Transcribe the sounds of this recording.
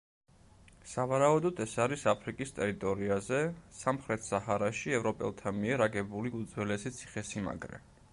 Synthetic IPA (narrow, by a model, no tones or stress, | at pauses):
savaɾaud̪ɔd̪ɛsaɾisapʰɾikʼist̪ʼɛɾit̪ʼɔɾiazɛsamχɾɛt̪ʰsahaɾaʃiɛvɾɔpʼɛ̰lˠt̪ʰamiɛɾaɡɛbuliud̪zwɛlɛsit̪sʰi̥χɛsima̰ɡɾɛ̰